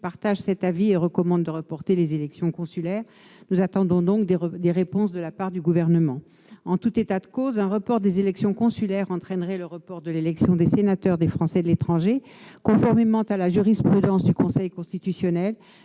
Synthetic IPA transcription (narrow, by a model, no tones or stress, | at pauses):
paʁt̪aʒsɛt̪avieʁəkɔmɑ̃d̪ːəʁəpɔʁt̪elezelɛksjɔ̃kɔ̃sylɛʁ | nuzat̪ɑ̃d̪ɔ̃d̪ɔ̃kd̪d̪eʁepɔ̃sd̪əlapaʁd̪yɡuvɛʁnəmɑ̃ | ɑ̃t̪ut̪et̪ad̪əkozɛ̃ʁəpɔʁd̪ezelɛksjɔ̃kɔ̃sylɛʁɑ̃t̪χɛnʁɛləʁəpɔʁd̪əlelɛksjɔ̃d̪esenat̪œʁd̪efχɑ̃sɛd̪əlet̪χɑ̃ʒekɔ̃fɔʁmemɑ̃t̪alaʒyʁispχyd̪ɑ̃sd̪ykɔ̃sɛjkɔ̃st̪it̪ysjɔnɛl